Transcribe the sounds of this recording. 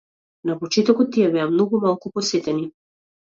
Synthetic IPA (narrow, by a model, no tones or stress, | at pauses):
napɔt͡ʃɛt̪ɔkɔt̪ːijabɛamnɔɡumalˠkupɔsɛt̪ɛni